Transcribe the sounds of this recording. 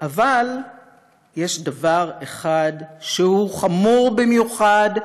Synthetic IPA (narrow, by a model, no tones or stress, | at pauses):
ʔaval | jeʃdavaʁeχad̪ʃehuχamuʁbimjuχad